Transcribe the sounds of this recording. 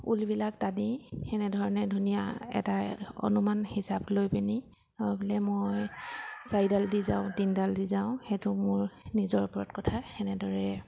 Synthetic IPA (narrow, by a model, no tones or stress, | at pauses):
ulbilak̚tanixɛnɛdʱɔɹɔnɛdʱunija̰ɛ̰taɔ̰numanhisablojpɛni | hɔjbilɛmojsajdaldiza̰ʊ̃dindaldizaʊ̃xɛtʊmʊɹnizɔɹpɔɹɔtkɔtʰaxɛnɛdɔɹɛ